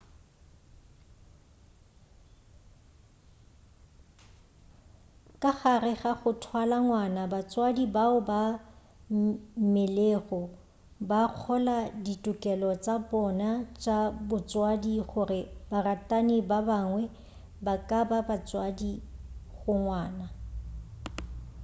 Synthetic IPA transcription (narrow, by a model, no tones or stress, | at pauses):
kʼaɣarɪɣaχʊtʰwalaŋwanabat͡sʼwadibaʊba | mɪleɣɔ | baq͡χʰɔladitʼʊkʼɛlɔt͡sʼabɔnat͡ʃʼabʊt͡sʼwadiɣʊrɪbaratʼanɪbabaŋwɛ | bakʼababat͡sʼwadiɣʊŋwaːna